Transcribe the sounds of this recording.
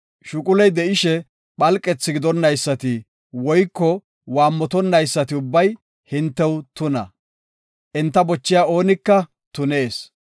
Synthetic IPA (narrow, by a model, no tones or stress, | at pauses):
ʃʊkʼʊlɛjd̪ɛʔɪʃɛ | ɓɐlkʼːɛt͡sːɪɡɪd̪ɔnːɐjsːɐt̪ɪ | wɔjkːɔ | waːmːɔt̪ɔnːɐjsːɐt̪ɪʊbːɐj | hɪnt̪ːɛwt̪ʊnɐ̰ | ʔɪnt̪ːɐbɔt͡ʃːɪjaːo̞ːnɪkːɐ | t̪ʊneːs